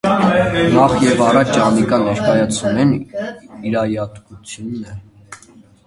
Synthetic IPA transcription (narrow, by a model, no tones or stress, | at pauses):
nɑχjɛvɑrɑt͡ʃʰt͡ʃɑnikɑnːɛɾkɑjɑt͡sʰunɛniɾɑjɑt̪kut͡sʰjunːɛ